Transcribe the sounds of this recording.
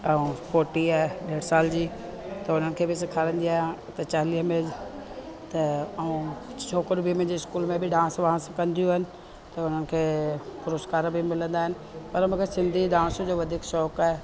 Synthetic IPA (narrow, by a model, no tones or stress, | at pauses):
ɛũfoːʈiaːɦeɗeːɽsaːld͡ʑiː | t̪ɐʊn̤ənɪ̆kʰeːbɪsɪkʰaːɾə̃nd̪iaːɦɪãt̪ɐt͡ɕaːliːɦmɪd͡ʑ | t̪ɐɐũt͡ɕʰoːkɪɾbimẽd͡ʑeɪskuːlmẽbɪɖãːsʋɐɦãskɐ̃nd̪ʱijuːɦɪnɪ̆ | t̪ɐʊn̤ənɪ̆kʰeːpʊɾoːskaːɾbɪmɪlə̃nd̪aːɦɪnɪ̆pɐɾmɐ̃kesɪ̃nd̪ʱiɗãːsd͡ʑoːʋɐd̪ʱiːkʃɔːkaːɦe